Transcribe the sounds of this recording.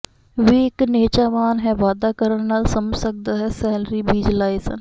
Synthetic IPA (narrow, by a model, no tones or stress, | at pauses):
ʋiɪkneːt͡ʃaːʋaːnɦɛʋaːd̪aːkəɾəɽnaːlsəməd͡ʒsək̚d̪aːɦɛːsɛːlɾiːbiːd͡ʒlaːisə̰n